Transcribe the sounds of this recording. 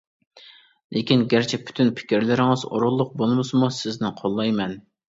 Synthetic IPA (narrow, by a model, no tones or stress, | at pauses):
lʔekʲinɡʲæɾt͡ʃʰɛpʰy̥t̪ʰynpʰɪ̥kʲiɾlɪɾɪŋɨzo̰ɾʊlˠːʊq̚bolˠmɨsɨmusɪznɪqʰolˠːɑjmɛn